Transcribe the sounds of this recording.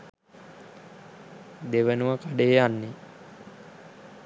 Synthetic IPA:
d̪eʋənuʋəkaɖeɦeanːe

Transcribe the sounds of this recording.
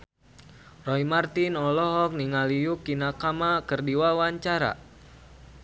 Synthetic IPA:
rɔimart̪inɔlɔɦɔk̚niŋalijukinakamakərdiwawaɲt͡ʃaɾa̰

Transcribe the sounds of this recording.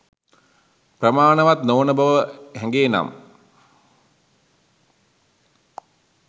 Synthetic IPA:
prəmaːnəʋat̪noːnəbəʋəhɛŋɡeːna̰m

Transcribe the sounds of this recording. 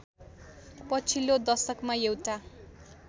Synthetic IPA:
pʌt͡sʰilːod̪ʌsʌkmaewʈa

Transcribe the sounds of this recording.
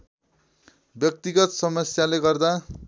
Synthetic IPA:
bjʌk̚t̪iɡʌt̪sʌmʌsjaleɡʌrd̪a

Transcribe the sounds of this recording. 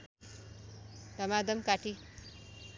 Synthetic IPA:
t̪ɐmad̪əmkaʈi

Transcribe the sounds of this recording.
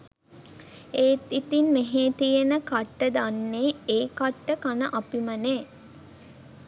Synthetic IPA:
eːt̪it̪inmeɦeːt̪ijenəkaʈːəd̪anːeːeːkaʈːəkanəʔapiməneː

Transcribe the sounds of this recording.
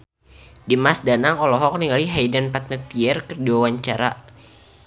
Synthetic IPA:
dimasdanaŋɔlɔɦɔk̚niŋɡaliɦajdanpat̪̚nət̪iɛrkərdiwawaɲt͡ʃaɾa̰

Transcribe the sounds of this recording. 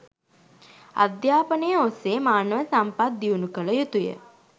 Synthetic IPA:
a̰d̪jaːpənəjəoseːmaːnəʋəsampat̪̚d̪iunukələjut̪ujə̰

